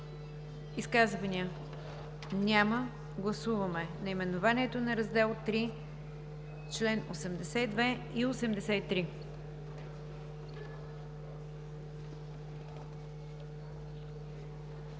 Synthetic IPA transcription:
iskazvɐniə | nʲamə | ɡlˠɐsuvəmɛnɐimɛnʊvanʲiɛt̪onɐɾɐzd̪ɛlˠt̪ɾi | t͡ʃlɛnosɛmd̪ɛsɛid̪vɛ | iosɛmd̪ɛsɛit̪ɾi

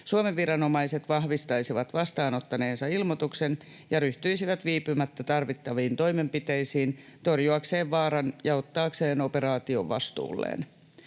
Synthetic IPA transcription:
suomeʋːiɾɑno̞mɑise̞t̪ʋɑhʋist̪ɑjsiʋɑt̪ʋɑst̪ɑːno̞t̪ːɑne̞ːnsɑilmot̪uksen | jɑɾyht̪yisiʋæt̪ʋiːpymæt̪ːæt̪ɑrʋit̪ːɑʋiːnt̪o̞jme̞mpit̪ejsiːnt̪o̞rjuɑkse̞ːʋʋɑːɾɑnjɑo̞t̪ːɑːkse̞ːno̞peɾɑːt̪io̞̰ʋʋɑ̰st̪ṵːlːḛːn

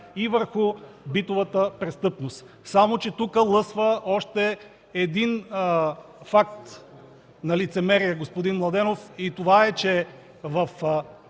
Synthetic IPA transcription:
ivəɾxubit̪ovət̪əpɾɛst̪ɤpnost̪ | samot͡ʃɛt̪ukəlˠɤsvəɔʃt̪ɛ | ɛd̪in | fak̚t̪ | nɐlit̪sɛmɛɾijəɡospod̪inmlˠɐd̪ɛnofit̪ovaɛt͡ʃɛ | vɐf

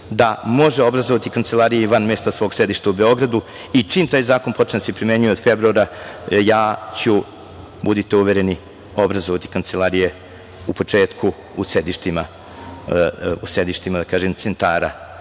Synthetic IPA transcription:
d̪amo̞ʒeo̞bɾazoʋat̪ikant̪selˠaɾijiʋanmest̪asʋo̞ːɡsjed̪iʃt̪aube̞o̞ɡɾad̪u | it͡ʂiːmt̪aːjzaːko̞npo̞t͡ʂneasepɾimeɲujeod̪febɾuaɾajaːt͡ɕu | bud̪it̪euʋeɾe̞ni | o̞bɾazoʋat̪i̥kant̪selaɾije | upo̞t͡ʂeːt̪kʰu | usjed̪iʃt̪ima | usjed̪iʃt̪imad̪akaːʒemt̪sent̪aːɾa

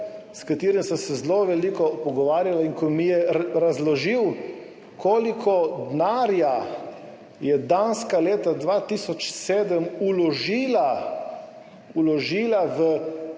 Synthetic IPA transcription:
skat̪iːɾimsə̃msɛzloʋɛlikɔpɔɡɔʋaːɾjalaiŋkɔmijɛɾazlɔʒiw | kʰoːlikʰɔd̪naːɾja | jɛd̪anskaleːt̪ad̪ʋat̪isɔt͡ʃseːd̪əmulɔʒiːla | ulɔʒiːlaʋə

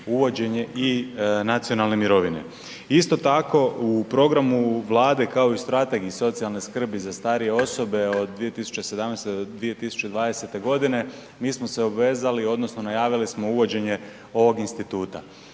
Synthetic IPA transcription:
uʋo̞d͡ʑe̞ɲe̞ʔinat̪sio̞nalˠne̞miɾo̞ʋine̞̰ | ist̪o̞t̪ako̞upɾo̞ɡɾamuʋlˠaːd̪e̞kao̞ist̪ɾat̪e̞ɡiiso̞t̪sijalˠneskr̩bizast̪aːɾije̞o̞so̞be̞o̞d̪̚ːʋijet̪isu̥t͡ɕesed̪amnest̪ed̪od̪ʋije̞t̪isu̥t͡ɕe̞d̪ʋaːd̪e̞se̞t̪e̞ɡo̞d̪ine̞ | miːsmo̞se̞obʋe̞ːzalio̞d̪no̞sno̞najaːʋilismo̞uʋo̞d͡ʑe̞ɲe̞ | o̞ʋo̞ɡinst̪it̪uːt̪a̰

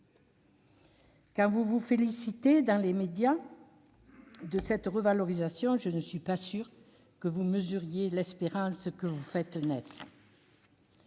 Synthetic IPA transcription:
kɑ̃vuvufelisit̪ed̪ɑ̃lemed̪ja | d̪əsɛt̪ʁəvalɔʁizasjɔ̃ʒənəsɥipasyʁ | kəvuməzyʁjelɛspeʁɑ̃skəvufɛt̪nɛt̪χə

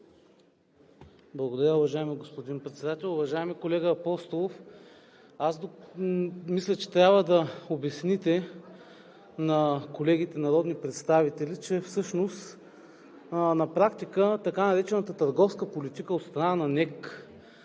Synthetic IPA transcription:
blˠɐɡod̪ɐɾʲjəʊvɐʒaɛmiɡospod̪inpɾɛt̪sɛd̪at̪ɛlˠʊvɐʒaɛmikolɛɡəːpɔst̪olˠof | azd̪o | mislʲɐt͡ʃɛ̥t̪ɾʲjabvəd̪ɐobɛsnit̪ɛ | nɐkolɛɡʲit̪ɛnɐɾɔd̪nipɾɛt̪st̪avit̪ɛlit͡ʃɛfsɤʃnost̪ | nɐpɾakt̪ikət̪ɐkanɐɾɛt͡ʃɛnət̪ət̪əɾɡɔfskəpolit̪ikəot̪st̪ɾɐnanɐnɛk

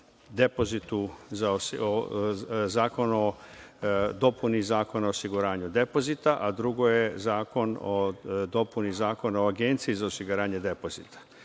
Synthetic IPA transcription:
d̪e̞po̞zit̪uzas | zaːko̞no̞ | d̪o̞punizaːko̞naosiɡuɾaːɲud̪e̞po̞zit̪aʔad̪ɾuɡo̞jezaːko̞nod̪o̞punizaːko̞naoaɡe̞nt̪siːzaosiɡuɾaːɲe̞d̪e̞po̞zit̪ʰḁ

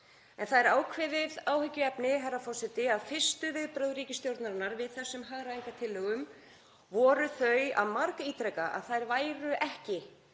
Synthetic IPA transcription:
ɛ̰nθaðɛɾaːwkʰvɪðɪðaːwhʏcːʏɛpnɪɦɛrafɔr̥sɛt̪ɪaðfɪr̥st̪ʏvɪðpɾœwðɾiːcɪst̪jowɾt̪naɾnaɾvɪðθɛsːʏmɦaɣɾaiŋkat̪ʰɪlːœɣʏm | vɔːɾʏθœɥja̰ðmaɾkaiːt̪ɾɛkaʔa̰ðθajɾvaːjɾʏʔɛhcɪ

